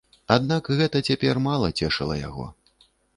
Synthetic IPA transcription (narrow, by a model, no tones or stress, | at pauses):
ad̪nakɣɛt̪ɐt͡sʲapʲɛrmalˠɐt͡sʲɛʂɐlˠɐja̰ɣɔ̰